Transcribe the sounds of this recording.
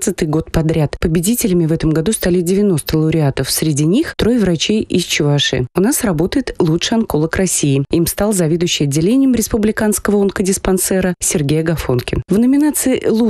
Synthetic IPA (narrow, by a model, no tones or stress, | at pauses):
t̪sɨt̪ɨjɡo̞t̪̚pɐd̪ɾʲat̪pəbʲɪdʲitʲɪlʲɪmʲɪvɛt̪əmɡɐd̪ust̪alʲɪdʲɪvʲɪno̞st̪əlˠəʊɾʲɪat̪əfsɾʲɪdʲinʲixt̪ɾo̞jvɾɐt͡ɕejʔɪst͡ɕʊvaʂɨ̰ʊnasrɐbo̞t̪əjɪt̪lˠutʂɨɐnko̞lˠəkrɐssʲijɪimst̪alˠzɐvʲed̪ʊjɕːɪjɐdʲːɪlʲenʲɪjəmɾʲɪspʊblʲɪkanskəvəonkədʲɪspɐnsɛɾəsʲɪrɡʲejəɡɐfo̞nkʲɪnvnəmʲɪnat̪sɨɪlˠu